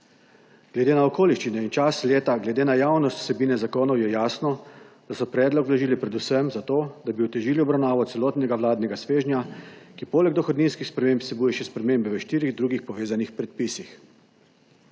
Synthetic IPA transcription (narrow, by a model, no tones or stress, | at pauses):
ɡ̥lɛd̪eːnaɔkoːliʃt͡ʃinɛint͡ʃasleːt̪aɡlɛd̪eːnajaːwnɔst̪w̥sɛbiːnɛzakoːnɔwjɛjaːsnɔd̪̥asɔpɾɛːd̪lɔklaʒiːlipɾɛd̪usəmzat̪oːd̪abiut̪ɛʒiːliɔbɾawnaːʋɔt̪sɛlɔt̪nɛɡaʋwlaːd̪nɛɡasʋeːʒnʲjakipoːlɛɡ̚d̪ɔxɔd̪niːnskixspɾɛmeːmpsɛbuːjɛʃɛspɾɛmeːmbɛʋəʃt̪iːɾiɣd̪ɾuːɡixpɔʋeːzanixpɾɛt̪̚pisix